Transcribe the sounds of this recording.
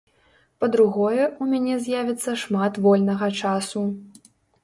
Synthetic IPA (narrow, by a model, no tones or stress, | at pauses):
pɐd̪ɾuɣɔjɛʔumʲanʲɛzʲjavʲit̪sːɐʂmat̪vɔlʲnɐɣɐt͡ʂasu